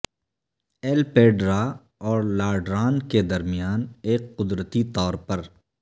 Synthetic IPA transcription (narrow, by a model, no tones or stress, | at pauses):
eːlpeːɖɾa | ɔːɾlaːɖɾaːnked̪ɐɾmijaːneːkːʊd̪ɾət̪it̪ɔːɾpɐɾ